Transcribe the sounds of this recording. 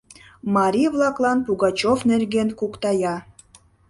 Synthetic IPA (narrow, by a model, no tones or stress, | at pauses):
mɑɾʲivlˠɑklˠɑnpuɣɑt͡ɕovnerɡenkukt̪ɑjɑ